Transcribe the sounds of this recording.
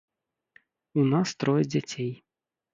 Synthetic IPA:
unast̪ɾɔjɛd͡zʲat͡sʲej

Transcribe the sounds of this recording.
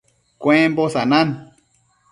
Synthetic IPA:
kʷẽmbosanãn

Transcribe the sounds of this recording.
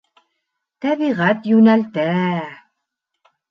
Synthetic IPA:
t̪æβiʁæt̪jʉnælt̪æ

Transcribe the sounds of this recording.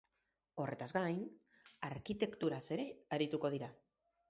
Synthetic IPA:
o̞re̞t̪azɡajn | aɾkit̪e̞kt̪uɾase̞ɾe̞aɾit̪uko̞ð̞iɾa

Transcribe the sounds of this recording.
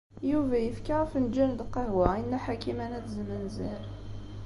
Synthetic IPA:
juvæjəfkaʁəfnd͡ʒːænd̪qɑɦwæinːæħakimænæt͡szmənziɾ

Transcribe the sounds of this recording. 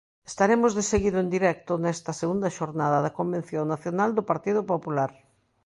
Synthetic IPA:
e̥st̪aɾemʊzðeseɣiðʊend̪iɾɛk̚t̪ʊnɛst̪ɐseɣund̪ɐʃoɾnaðɐðɐkombẽn̟θjoŋnaθjonald̪ʊpaɾt̪iðʊpopulaɾ

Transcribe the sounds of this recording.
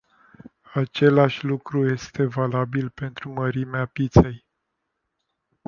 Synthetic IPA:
at͡ʃe̞laʃʲlukɾuje̞st̪e̞valabilpe̞nt̪ɾuməɾimeapit̪se̞j

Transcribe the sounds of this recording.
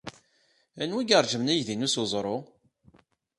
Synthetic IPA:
ænwiɡəɾˤʒəmnæjðinusozˤɾˤo

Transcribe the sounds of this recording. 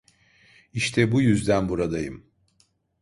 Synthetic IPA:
iʃt̪ʰɛbujyzd̪ænbuɾad̪ajɯm

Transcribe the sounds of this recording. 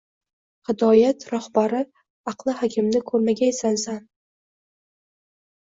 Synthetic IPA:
hɪd̪ɒjat̪ɾɒhbaɾɪ | ɑqlˠɪhakʲʰɪmlɪkʰɵɾmaɡʲaesansan

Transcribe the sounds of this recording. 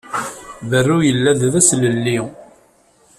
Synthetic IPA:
vərːujəlːæððæsləlːi

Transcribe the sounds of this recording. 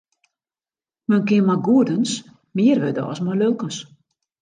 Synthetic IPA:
mənkɪənmaɡuədəns | mɪərʋødə̰ɔ̰smɔlølˠkəs

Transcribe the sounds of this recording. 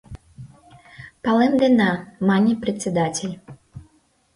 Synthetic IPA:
palˠɛnd̪ɛnamanʲːipɾɛt̪sʲɛd̪atʲɛlʲ

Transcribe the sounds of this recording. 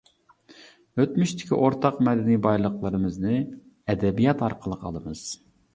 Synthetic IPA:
øt̪myʃt̪ʰɪ̥kʲḭʔoɾt̪ʰɑqmɛd̪ɛnijbɑjlˠəqlˠəɾɨmɨznɨ | ɛd̪ɛbijɑt̪ɑɾqʰəlˠəqʰɑ̰lˠəmɨz̥

